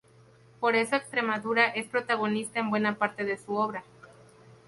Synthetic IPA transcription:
po̞ɾe̞so̞e̞kst̪ɾe̞maðuɾaʔe̞spɾo̞t̪aɣ̞o̞nist̪aembwe̞napaɾt̪e̞ðe̞suo̞βɾa

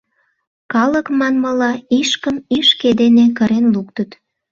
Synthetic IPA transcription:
kɑləkmɑnməlɑiʃkəmiʃked̪enekəɾenluk̚t̪ət̪

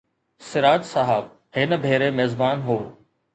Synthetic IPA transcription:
sɪɾaːt̪saɦəb̚ | hɪnəbʱeːɾemeːzbaːnɦoː

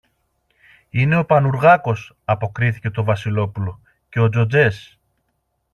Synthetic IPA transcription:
ine̞o̞pɐnuɾɣɐko̞s | ɐpo̞kɾiθice̞t̪o̞vɐsilo̞pulo̞ | ce̞o̞d͡zo̞d͡ze̞s

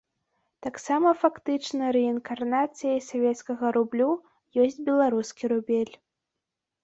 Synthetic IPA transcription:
t̪aksamɐfakt̪ɨt͡ʂnɐɾɛinkarnat̪sɨjɐjsavʲɛt̪skɐɣɐɾublʲu | jɔsʲd͡zʲbʲɛlˠaɾuskʲiɾubʲɛlʲ

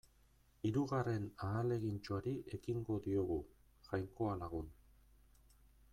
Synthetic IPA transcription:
iɾuɣare̞naːle̞ɣint͡ʃoaɾiʔe̞kiŋɡo̞ðio̞ɣu | ʝajŋko̞alaɣ̞un

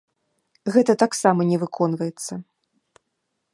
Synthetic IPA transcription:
ɣɛt̪ɐt̪aksamɐnʲɛvɨkʰɔn̪vɐjɛt̪sːɐ

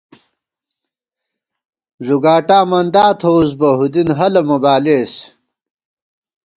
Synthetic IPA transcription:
zuɡaːʈaːmɐnd̪aːt̪ʰous̬bɐɦud̪inɦɐlɐmɐbaːles

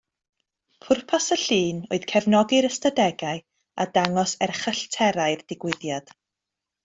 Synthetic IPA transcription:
pʰʊrpʰasəɬiːno̰ɨð̥kʰɛvnɔɡɪɾəstadɛɡaɨ | a̰daŋɔsɛrχəɬtʰɛɾaɨrdɪɡwɪðjad̥

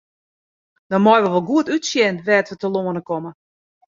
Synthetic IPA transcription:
d̥ɔnmɔjʋəʋɔlˠɡuətytsjɛnʋɛːtʋətəloənəkɔmə

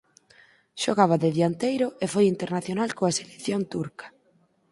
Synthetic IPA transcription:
ʃoɣaβ̞aðɪðjant̪ejɾʊʔefojint̪eɾnaθjonalkoaselekθjont̪uɾkɐ̥

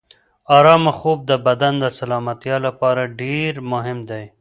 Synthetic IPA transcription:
ɑːɾɑːmaxob̚d̪əbad̪and̪əsalɑmat̪jɑlapɑɾaɖeɾmʊɦɪmd̪aj

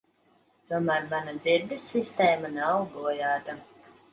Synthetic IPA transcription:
t̪uɔmæːɾmanad̪ziɾd̪ɨsʲːist̪eːmanawɡuɔjaːt̪a

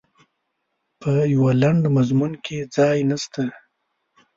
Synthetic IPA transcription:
pʰəjawalaɳɖmazmunkʰed͡zɑjnast̪a

